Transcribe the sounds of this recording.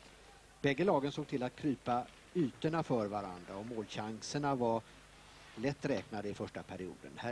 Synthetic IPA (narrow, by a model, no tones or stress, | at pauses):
bɛɡːəlɑːɡənsoːɡ̚t̪ʰɪlːat̪̚kʰɾyːpa | yːt̪əɳafœːɾvaɾa̰nd̪ɾaɔmoːlɕaŋsəɳava | lɛt̪ːɾɛːknad̪əɪfœʂʈapʰæɾɪṵːd̪ə̰nhæ